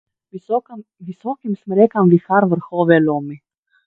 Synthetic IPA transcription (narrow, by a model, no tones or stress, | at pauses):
visokimsmɾɛkamvixaɾvɛɾxovɛlomi